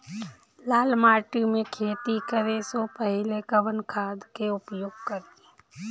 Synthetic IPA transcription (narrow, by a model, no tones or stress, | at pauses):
laːlmaːʈimẽkʰeːt̪ikəɾesopəɦlekəʋənkʰaːd̪keʊpjoːɡ̚kəɾi